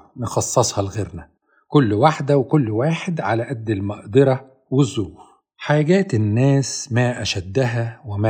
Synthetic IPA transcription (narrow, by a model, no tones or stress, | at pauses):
nxɑsˤːɑsˤhɑlɣeɾnæ | kʊlːwaħd̪æwɪkʊlːwaːħɪd̪ʕalæʔæd̪ːɪlmɑʔd̪ɑɾˤɑ | wɪzːuːf | ħaːɡæːt̪ɪnːæːsmæːʔæʃæd̪ːæɦæwɪmæ